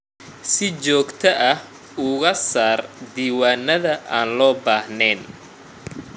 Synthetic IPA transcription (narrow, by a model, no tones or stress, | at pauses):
sɪt͡ʃɔːɡt̪ʰɐʔɐh | ʊɣɐsaːrd̪iːwaːnːɐðɐʔaːnlɔːbaːhnɛːn